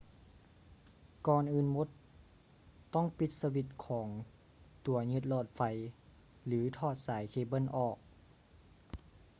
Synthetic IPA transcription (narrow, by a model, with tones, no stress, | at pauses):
kɔː˧nʔɯː˧˩nmo˧˦t̪ | ɔ˥˩˨ŋpi˧t̪̚sa˧wi˧t̪̚kʰɔː˩˦ŋ | t̪u˨˩˦ɐɲɯ˧t̪̚lɔː˧˩t̪̚fa˧˩j | lɯː˩˦t̪ʰɔː˧˩t̪̚saː˨˩˦jkʰeː˧˩bɤ˧˥˨nʔɔː˧˩k̚